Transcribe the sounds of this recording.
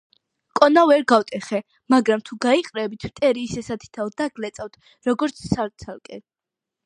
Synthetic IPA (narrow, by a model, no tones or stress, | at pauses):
kʼɔnavɛɾɡawt̪ʼɛχɛ | maɡɾamt̪ʰuɡaiqʼɾɛbit̪ʰmt̪ʼɛɾiːsɛsat̪ʰi̥t̪ʰald̪aɡlɛt̪sʼawt̪ʰ | ɾɔɡɔɾt̪sʰsaɾt̪sʰalˠkʼɛ̰